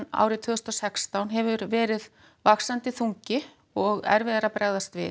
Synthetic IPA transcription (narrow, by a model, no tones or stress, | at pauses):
a̰ːwɾɪt̪ʰvʏːɣʏst̪ɔsɛkst̪awnɦɛvʏɾvɛːɾɪð | vaksant̪ɪθuɲcɪ | ɔɣɛ̰ɾvɪðaɾapɾɛɣðast̪vɪ̰